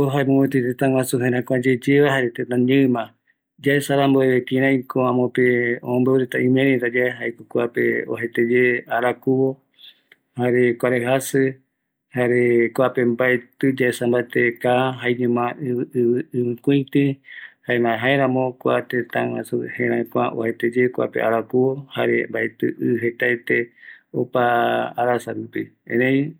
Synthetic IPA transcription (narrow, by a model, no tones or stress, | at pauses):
koɦaemõwẽt̪ɨt̪et̪ãw̃ãsuɦẽɾãkʷad͡ʒed͡ʒeβaɦaɾet̪et̪ãɲɨ̃mã | d͡ʒaesaɾamboeβek̪ĩɾãĩkoãmõpeõmbewɾet̪aĩmẽɾẽɾad͡ʒaeɦaekokʷapḛo̰ɦet̪ed͡ʒeaɾakuβo | haɾekʷaɾeɦasɨ | haɾekʷapembaet̪ɨd͡ʒaesãmbaet̪ekaɦaiɲũmãɨɨβɨɨkuĩt̪ĩhaemãɦaeɾãmõkʷat̪et̪ãwãsuhẽɾãĩkʷãʔo̰het̪ed͡ʒekʷa̰pḛʔaɾakuwohaɾḛmbaet̪ɨ̰ʔɨɦet̪aet̪eopaːɾasaɾupiḛ̃nẽj̃